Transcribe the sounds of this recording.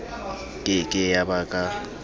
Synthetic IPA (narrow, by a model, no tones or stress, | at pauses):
kʼɪkʼɪjabakʼa